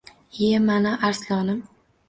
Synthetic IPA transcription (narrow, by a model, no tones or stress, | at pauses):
emanaʔaɾslɒnɪm